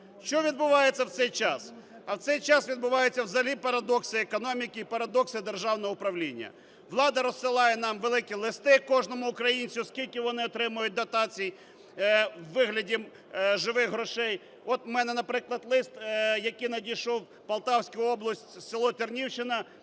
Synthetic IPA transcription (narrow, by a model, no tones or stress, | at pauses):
ʃt͡ʃɔʋʲid̪bʊʋɑjett͡sʲːɐwt̪sɛjt͡ʃɑs | ɐwt̪sɛjt͡ʃɑsʋʲid̪bʊʋɑjet͡sʲːɐwzɐlʲipɐɾɐd̪ɔksɪekɔnɔmʲikɪipɐɾɐd̪ɔksɪd̪erʒɑwnɔɦɔʊpɾɐʋlʲinʲːɐ̰ | ʋlˠɑd̪ɐɾɔsːɪlˠɑjɛnɑmʋelˠɪkʲilˠɪst̪ɪkɔʒnɔmʊːkɾɐjinʲt͡sʲiskʲilʲkʲɪʋɔnɪɔt̪ɾɪmʊjʊt̚ʲd̪ɐt̪ɑt͡sʲij | wːɪɦlʲɐdʲi | ʒɪʋɪxɦɾɔʃɛj | ɔt̪mɛnɛnɐpɾɪklˠɐd̪lˠɪst̪jɐkijnɐdʲijʃɔw | pɐlˠt̪ɑwsʲkʊjʊɔblˠɐsʲtʲsɪlˠɔt̪ʲɪrnʲiwt͡ʃɪnɐ